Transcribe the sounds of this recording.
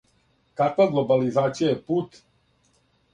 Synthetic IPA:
kakʋaɡlˠobalizaːt̪sijajɛput̪

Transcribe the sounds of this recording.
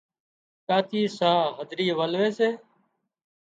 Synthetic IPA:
kaːt̪ʰiːsaːɦəd̪ɾiːʋəlʋeːseː

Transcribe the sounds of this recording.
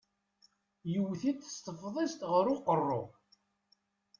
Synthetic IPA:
jəwːθit̪ə̥st̪əfðˤest̪ʁəɾʊqərˤːo

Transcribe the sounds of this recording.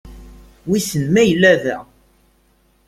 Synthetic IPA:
wisənmæjəlːævæ

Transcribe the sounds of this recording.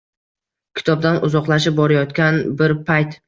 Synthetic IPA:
kʲʰɪ̥t̪ʰɒb̚d̪anʊzɒqlˠaʃ̬ɪp̚bɒɾajɒt̪kʲanbɪɾpʰajt̪

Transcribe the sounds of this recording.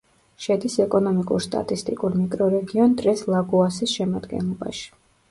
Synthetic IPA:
ʃɛd̪isɛkʼɔnɔmikʼṵɾst̪ʼa̰t̪ʼist̪ʼikʼuɾmikʼɾɔɾɛɡiɔnd̪ɾɛslˠaɡuasisʃɛmad̪ɡɛ̰nlˠɔba̰ʃi̥

